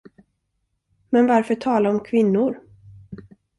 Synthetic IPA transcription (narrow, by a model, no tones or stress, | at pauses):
mɛnvaɾfœʈʰɑːlaɔmkʰvɪnːʊɾ